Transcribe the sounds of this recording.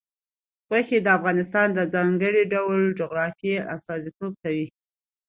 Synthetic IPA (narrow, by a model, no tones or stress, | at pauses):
ɣwaxed̪əafɣɑnɪst̪ɑnd̪əd͡zɑŋɡəɽiɖawld͡ʒoɣɾɑfia̰st̪ɑzit̪ob̚t̪awi